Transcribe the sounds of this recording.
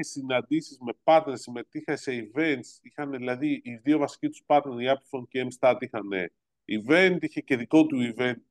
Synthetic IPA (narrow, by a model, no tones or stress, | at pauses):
esinɐnd̪isizme̞pɐt̪nesime̞t̪ixɐse̞ive̞nt̪sixɐneðilɐðiiðio̞vɐsi̥cit̪u̥spɐt̪neɾiɐplfoncemst̪ɐt̪ixɐne̞̰ | ive̞nt̪içe̞ceðiko̞t̪uive̞nt̪̚